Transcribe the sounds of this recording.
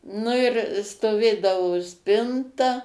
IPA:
nʊ ɪr stoːˈʋʲeːdɐʋoː ˈsʲpʲɪntɐ

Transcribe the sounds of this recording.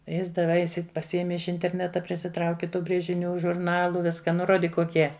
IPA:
ˈjɪs dɐˈʋɐɪ pɐsʲɪˈeːmʲɪ ɪʃ ɪnʲtʲɛrʲˈnʲæːtɐ pʲrʲɪsʲɪˈtrɐʊkʲɪ ˈtuː bʲrʲeːʒʲɪˈnʲuː ʒʊrˈnɑːlˠʊ ˈʋʲɪskɐ ˈnʊ ˈroːdʲiːk koːˈkʲiɛ

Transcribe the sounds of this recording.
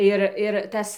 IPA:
ˈɪr ɪr ˈtɐs

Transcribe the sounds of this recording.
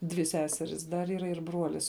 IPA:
dʲʋʲɪ ˈsʲæːsʲɛrʲɪs dɐr iːˈrɐ ɪr ˈbruɔlʲɪs

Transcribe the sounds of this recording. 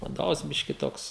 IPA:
ʋɐˈdoːʋɐs ˈbʲɪʃʲkʲɪ ˈtoːks

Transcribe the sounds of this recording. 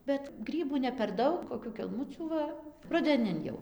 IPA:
ˈbʲɛt ˈɡrʲiːbuː nʲɛ pʲɛr ˈdɐʊk koːˈkʲuː kʲɛlˠˈmʊt͡sʲuː ˈʋɐ rʊdʲɛˈnʲɪn jɛʊ

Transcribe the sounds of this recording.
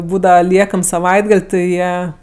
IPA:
ˈbuːdɐʋɐ ˈlʲiɛkɐm sɐˈʋɐɪdɡɐlʲ tʲɪ ˈjiɛ

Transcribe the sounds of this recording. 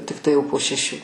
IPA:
tʲɪkˈtɐɪ ˈjɛʊ poː ʃʲɛˈʃʲuː

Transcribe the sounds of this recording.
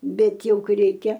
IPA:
ˈbʲɛt ˈjɛʊ ˈkɐɪ ˈrʲɛɪkʲɛ

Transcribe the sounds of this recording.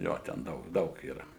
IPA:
ˈjoː tʲɛn ˈdɐʊk ˈdɐʊk iːˈrɐ

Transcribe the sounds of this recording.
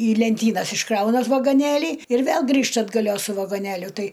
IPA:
iː lʲɛnʲˈtʲiːnɐs ɪʃˈkrɐʊnɐ ʋɐɡoːˈnʲeːlʲiː ɪr ˈʋʲeːlˠ ˈɡrʲiːʃtɐ ɐdɡɐˈlʲoːs sʊ ʋɐɡoːˈnʲeːlʲʊ ˈtɐɪ

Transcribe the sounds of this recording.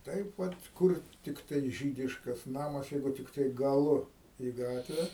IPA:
ˈtɐɪp ˈʋɐt ˈkʊr tʲɪkˈtɐɪ ˈʒʲiːdʲɪʃkɐs ˈnɑːmɐs ˈjɛɪɡʊ tʲɪkˈtɐɪ ɡɐˈlˠʊ iː ˈɡɑːtʲʋʲɛ

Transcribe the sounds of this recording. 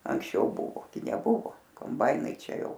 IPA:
ɐŋksʲˈt͡ʃʲɛʊ ˈbʊʋoː ɡʲɪ nʲɛˈbʊʋoː koːmˈbɐɪnɐɪ ˈt͡ʃʲɛ ˈjɛʊ

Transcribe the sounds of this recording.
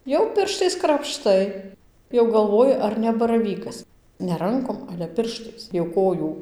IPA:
jɛʊ ˈpʲɪrʃtɐɪs krɐpˈʃtɐɪ jɛʊ ɡɐlˠˈʋoːjɪ ˈɐr nʲɛ bɐrɐˈʋʲiːkɐs nʲɛ ˈrɐŋkoːm ˈɑːlʲɛ ˈpʲɪrʃtɐɪs jɛʊ ˈkoːjuː

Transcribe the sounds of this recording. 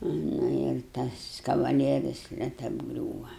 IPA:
ˈnʊ ɪr ˈtɐs kɐʋɐˈlʲiɛrʲɪs nʲɛt ɐbˈɡrʲuːʋɐ

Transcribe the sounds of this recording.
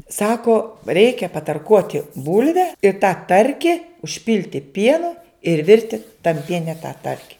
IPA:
ˈsɑːkoː ˈrʲɛɪkʲɛ pɐtɐrˈkuɔtʲɪ ˈbʊlʲʋʲɛ ɪ tɑː ˈtɐrʲkʲɪ ʊʃʲˈpʲɪlʲtʲɪ ˈpʲiɛnʊ ɪr ˈʋʲɪrʲtʲɪ tɐm ˈpʲiɛnʲɛ tɑː ˈtɐrʲkʲɪ

